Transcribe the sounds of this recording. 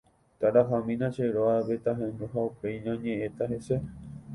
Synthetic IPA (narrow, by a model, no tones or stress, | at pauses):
t̪aɾaɦãmĩnãʃeɾoaβet̪aɦẽnd̪oɦaupe̞jɲãɲẽʔẽt̪aɦe̞se